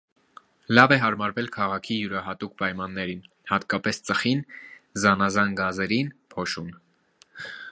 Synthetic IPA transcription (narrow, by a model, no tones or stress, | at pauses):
lɑvɛɦɑɾmɑɾvɛlkʰɑʁɑkʰijuɾɑɦɑt̪uk̚ʰpɑjmɑnːɛɾin | hɑt̪kɑpɛst͡səχinzɑnɑzɑnɡɑzɛɾinpʰɔʃun